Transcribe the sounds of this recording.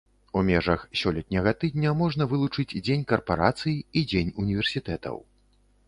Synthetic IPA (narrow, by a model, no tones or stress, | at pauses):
umʲɛʐɐxsʲɔlʲɛt̪̚ʲnʲɐɣɐt̪ɨd̪̚ʲnʲɐmɔʐn̪ɐvɨlˠut͡ʂɨd͡zʲd͡zʲenʲkɐrpaɾa̰t̪sɨjiid͡zʲenʲunʲivʲɛrsʲit̪ɛt̪ɐ̰w